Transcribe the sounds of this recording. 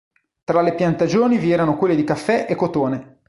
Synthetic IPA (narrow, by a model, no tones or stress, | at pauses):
t̪ɾalepjant̪ad͡ʒoːniviɛːɾanokwelːed̪ikafːɛʔekːot̪oːne